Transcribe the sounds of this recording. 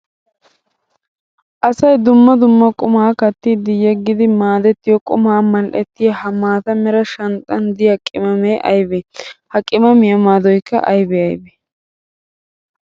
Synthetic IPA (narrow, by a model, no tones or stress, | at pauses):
ʔɐsɐjd̪ʊmːɐd̪ʊmːɐkʼʊmaːkɐt̪ːid̪ɪjɛɡːɪd̪ɪmaːd̪ɛt̪ːɪjɔkʼʊmaːmɐlʔɛt̪ːɪjɐhɐmaːt̪ɐmɛɾɐʃɐnt̪ʼːɐnd̪ɪjɐkʼɪmɐmeʔɐjbɛhɐkʼɪmɐmɪjɐmaːd̪ɔjkːɐ̰ʔɐjbɛɐjbɛ